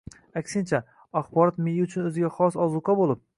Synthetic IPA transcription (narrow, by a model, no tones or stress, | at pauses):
akʲsɪnt͡ʃʰa | aχbɒɾɒt̪mejɪʊt͡ʃʰʊnɵzɪɡʲaχɒsɒzʊqʰɑbolˠɪp̚